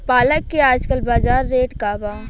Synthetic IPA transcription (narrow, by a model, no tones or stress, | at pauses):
paːləkːeaːd͡ʒkəlbaːzaːɾːeːʈkaːbaː